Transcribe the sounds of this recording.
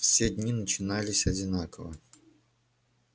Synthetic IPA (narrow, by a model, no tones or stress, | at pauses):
fsʲedʲnʲinət͡ɕɪnalʲɪsʲɐd͡zʲɪnakəvə̰